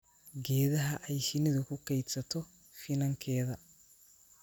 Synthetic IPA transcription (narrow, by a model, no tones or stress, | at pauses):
ɡɛːðɐɦɐʔɛjʃɪnɪðʊkʰʊkʰɛjd̪sɐt̪ʰɔ | fɪnɐŋkʰɛːðɐ